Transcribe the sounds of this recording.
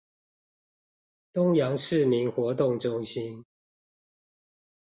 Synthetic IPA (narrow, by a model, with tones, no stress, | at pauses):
t̪ʊ˦ŋjɑ˧˦ŋʂɻ̩˥˨mi˨˥nxwɔ˨˥t̪ʊ˥˨ŋʈ͡ʂʊ˦ŋɕi˦n